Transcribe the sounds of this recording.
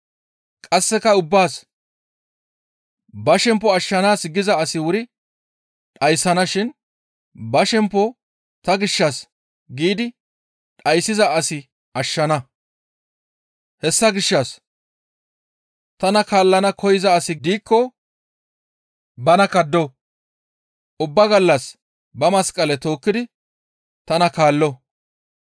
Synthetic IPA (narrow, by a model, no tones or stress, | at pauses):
kʼɐsːɛkɐʊbːaːs | bɐʃɛmpːɔɐʃːɐnaːsɡɪzɐːsɪwʊɾɪ | ᶑɐjsːɐnɐʃɪn | bɐʃɛmpːɔ | t̪ɐɡɪʃːɐs | ɡiːd̪ɪ | ᶑɐjsːɪzɐʔɐsɪ | ɐʃːɐnɐ | hɛsːɐɡɪʃːɐs | t̪ɐnɐkaːlːɐnɐkʰɔjɪzɐːsɪd̪iːkːɔ | bɐnɐkɐd̪ːɔ | ʊbːɐɡɐlːɐs | bɐmɐskʼːɐlɛt̪o̞ːkːɪd̪ɪ | t̪ɐnɐkaːlːɔ